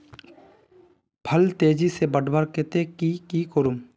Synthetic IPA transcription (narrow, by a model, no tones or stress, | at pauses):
pʰəlt̪eːd͡ʒisebəɖbəɾket̪ekikikoɾum